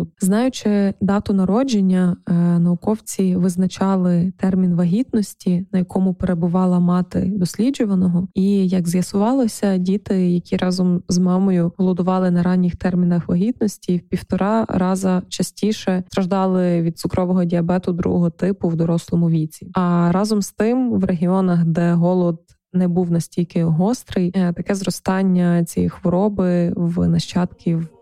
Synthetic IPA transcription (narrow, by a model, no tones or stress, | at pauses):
znɑjʊt͡ʃɪd̪ɑt̪ʊnɐɾɔd͡ʒenʲːɐnɐʊkɔwt͡sʲiʋɪznɐt͡ʃɑlˠɪt̪ɛrmʲinʋɐɦʲit̪nɔsʲtʲinɐjɐkɔmʊpeɾebʊʋɑlˠɐmɑt̪ɪ̰d̪ɔsʲlʲid͡ʒʊʋɐnɔɦɔijɐɡzjɐsʊʋɑlˠɔsʲɐdʲit̪ɪjɐkʲiɾʔɑzɔmzmɑmɔjʊɦɔlˠɔd̪ʊʋɑlˠɪnɐɾɑnʲːixt̪ɛrmʲinɐxʋɐɦʲit̪nɔsʲtʲiwpʲiwt̪ɔɾɑɾɑzɐt͡ʃɐsʲtʲiʃɛt̪ɾɐʒd̪ɑlˠɪʋʲid̪t̪sʊkɾɔʋɔɦɔdʲiɐbɛt̪ʊd̪ɾṵɦɔɦɔt̪ɪpʊwd̪ɔɾɔslˠɔmʊʋʲit͡sʲiɐɾɑzɔmst̪ɪmʋrʔeɦʲiɔnɐxd̪ɛɦɔlˠɔd̪̚ | nɛbuwnɐsʲtʲilʲkɪɦɔst̪ɾɪjt̪ɐkɛzɾɔst̪ɑnʲːɐt͡sʲḭjixʋɔɾɔbɪwnɐʃt͡ʃɑt̪kʲʰiw